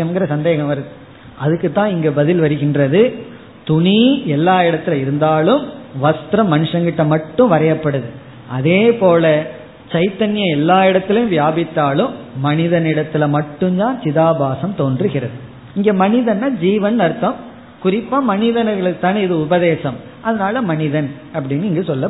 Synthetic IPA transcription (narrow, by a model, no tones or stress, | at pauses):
ɐmɡɪɾɐsɐnd̪eːɣɐmʋɐɾɐðɯ | ʔɐðɯkːɯt̪ːãːɪŋɡɐbɐðɪlʋɐɾɯɣɪndrɐðɯ | t̪ʊɳiɛlːaːɪɽɐt̪ːɪlɐɪɾɯnd̪aːlɯmʋɐst̪ɾɐmːɐnɯʂɐŋɡɪʈːɐmɐʈːɯ̃mʋɐɾɐjɐpːɐɽɯðɯ | ɐðeːpoːlɐ | t͡ʃɐɪt̪ɐnɪjɐɛlːaːɪɽɐt̪ːɪlɐjʊ̃ʋjaːbɪt̪ːaːlɯmːɐnɪðɐnɪɽɐt̪ːɪlɐmɐʈːɯmd̪aːnt͡ʃɪðaːbaːsɐmt̪oːndrɯɣɪrɐðɯ | ɪŋɡeːmɐnɪðɐnːaːd͡ʒiːʋɐnnɐɾɯt̪ːɐm | kʊrɪpːaːmɐnɪðɐnɐɣɐɭɯt̪ːaːnɪðɯʊbɐðeːsɐm | ʔɐðɐnaːlɐmɐɳɪðɐn | ɐp̬ːɐɽɪnːɪŋɡɐsɔlːɐ